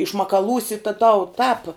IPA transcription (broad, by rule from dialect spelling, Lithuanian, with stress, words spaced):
ɪʃmɐkɐˈlˠuːsʲɪ tɐ tɐʊ tɑːp